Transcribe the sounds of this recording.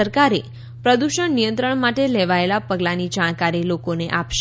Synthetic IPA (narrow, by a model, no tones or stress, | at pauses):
əɾkaɾe | pɾəd̪uʃəɳnijə̃nt̪ɾəɳmaʈeleʋaelapəɡlanid͡ʒaɽ̃kaɾilokoneʔapʃ